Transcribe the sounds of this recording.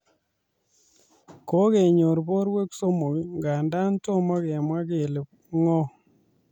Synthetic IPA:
ko˦ke˨ɲo˨ɾbo˦ɾwe˦kso˦mo˨ŋɡa˨nda˦nto˦ma˦kɛ˨mwa˦ke˨le˨p̚ | ŋɔ˦

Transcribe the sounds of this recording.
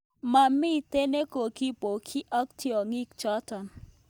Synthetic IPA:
ma˨mɪ˦˨te˦ne˦ko˨ki˦po˨kʰi˦ʔɔ˦k̚tʰi˦ɔ˨ŋi˦k̚t͡ʃɔ˦tɔ˨n

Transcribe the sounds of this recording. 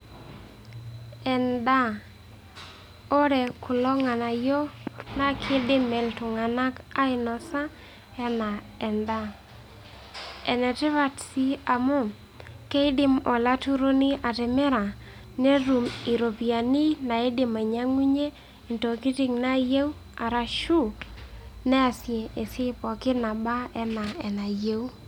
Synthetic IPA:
ɛ˨nda˦ | o˦ɾɛ˨kʰʊ˨lɔ˦ŋa˨na˨jo˦na˦kʰɪ˦dɪ˦mɛ˨ltʊ˨ŋa˨na˦ka˦ɪ˨nɔ˨sa˦ | ɛ˦na˨ | ɛ˨nda˦ | ɛ˨nɛ˨tɛ˦βa˦tsi˦a˨mo˦˨ | ke˦ɪ˦dɪ˦mɔ˨la˦tu˦ɾo˦ni˦a˨tɛ˨mɛ˦ɾa˨ | ne˦ɾu˨mi˨ɾo˨pi˨a˨ni˦na˨e˦dɪ˦ma˨ɲa˦ŋwi˦ɲe˦ | i˨nto˨ki˦ti˦ŋna˦je˦u˦ | a˨ɾa˨ʃu˦ | nɛ˦a˨sje˨e˨sɪ˦pɔ˨kɪ˦na˨ba˦ɛ˦na˨ɛ˨na˨je˦u˦

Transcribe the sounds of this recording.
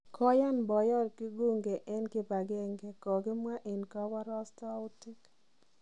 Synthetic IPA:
kʰɔ˦ja˦nbɔ˨jɔ˦ɾkɪ˦ɡo˦˨ŋɡe˨ʔɛ˦nkɪ˦ba˨ɡɛ˦ŋɡɛ˦kɔ˨ɡɪ˦mwa˦ʔe˨nka˦wa˦ɾɔ˦sta˦ʊ˦tɪ˦k

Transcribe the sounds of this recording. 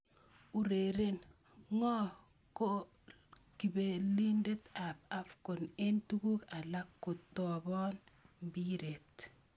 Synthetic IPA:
u˨ɾe˨ɾe˦n | ŋɔ˦ | ko˦ | ki˨be˨li˦nde˦ta˨p̚a˦fkʊ˨ne˦ntu˦ku˦ka˨la˦kːo˨tːɔ˨bɔ˦nmbi˦ɾe˨t

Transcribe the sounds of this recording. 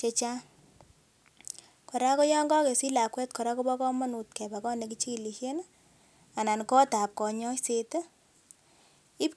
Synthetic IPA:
t͡ʃe˧t͡ʃa˦ | kɔ˨ɾa˦kɔ˦jɔ˦ŋɡɔ˦ke˨si˦la˨kwɛ˦t̚kɔ˨ɾa˦ko˦bɔ˦kɔ˦mɔ˦nu˨tkɛ˨ba˨kɔ˦ne˨ki˦t͡ʃi˦˨li˨ʃje˦n | a˨na˨nkɔ˦ta˨p̚kɔ˨ɲɔ˦se˨te˦ | i˦p

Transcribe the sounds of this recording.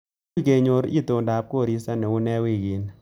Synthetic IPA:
ke˨ɲo˨˦ɾḭ˦t̪o˨nda˨p̚ko˦˨ɾi˦sa˦nɛ˨ʊ˦nɛ˦wi˦˨ɡi˨n

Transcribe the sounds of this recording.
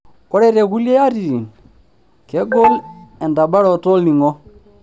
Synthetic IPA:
ko˦ɾe˦ɾe˨ku˦le˦ja˦ɾi˨ɾi˨n | ke˦ɡo˦le˨nda˨ɓa˦ɾo˨to˦lni˨ŋo˦

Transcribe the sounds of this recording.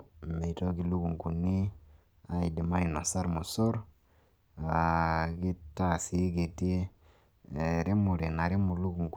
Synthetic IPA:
me˨jto˦ɡi˨lu˦ɡu˨ŋku˨nːi˦ | a˦i˨di˨ma˦i˨no˨sa˦ɾmu˨so˦ɾ | a˨ɡi˦ta˨si˨˦ɡe˨ti˦˨ | ɾi˦mu˨ɾe˨na˨ɾi˦mu˨lu˦ɡu˨ŋk

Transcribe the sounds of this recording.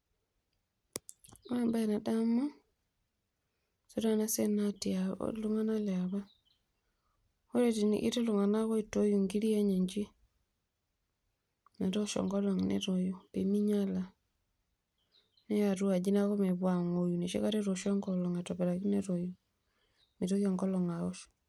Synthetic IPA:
ma˦mba˦ɛna˨da˦mɔ˦ | so˦ɾa˦na˦sɛ˦natia̰luŋa˦na˦lɛa˨βa˦ | ho˦ɾetin̰ʔḭ˦tɛ˦luŋa˨na˦ɣɔ˦ito˦ju˨ŋɡi˦ɾi˦e˦ɲe˨ɲd͡ʒi˦ | na˨ɾɔ˦ʃɔ̰ŋɡɔ˦lɔŋnɛ̰ɾɔ˨ju˨pemi˦ɲa˦la˨ | nɛ˦a˨ɾu˦a˨d͡ʒi˦na˦ɣɔ˦mɛ˨βwa˨ŋo˨ju˨ne˨ʃḛ˦kaɾɛɾɔʃɔ˦ŋɡɔlɔ˨ŋatɔ˨βɛ˨ɾa˨ki˦nɛɾɔ˨ju | me˨ɾo˦a˨ŋɡɔ˦lɔ˨ŋa˨ɔ˦ʃɔ̥

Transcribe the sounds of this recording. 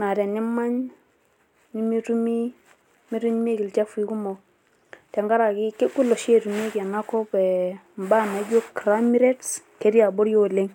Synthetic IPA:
na˨ɾɛ˨ni˦ma˦ɲ | ni˦mi˦tu˦mi˦ | mi˦ɾu˦ɲ˦me˦ɡi˨lt͡ʃa˦fi˨ku˦mɔ˨ | tɛ˨ŋɡa˦ɾa˨ki˦ke˦ku˦lɔ˨ʃe˦˨ɾu˨m˦e˦ki˨a˨na˦kɔ˦pɛ˨ | m˨ba˦na˨˦d͡ʒo˦kɾa˦mi˦ɾe˦tske˨˦ɾi˦a˨bo˦ɾjo˦le˦ŋ

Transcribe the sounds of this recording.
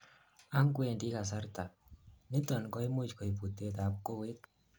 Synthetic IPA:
a˦ŋkwe˨nti˦ka˨s̬a˦ɾta˨nɪ˦tɔ˨nkɔ˦i˦mu˦t͡ʃkɔ˨i˨pu˨te˦t̪a˨p̚ko˦we˦t

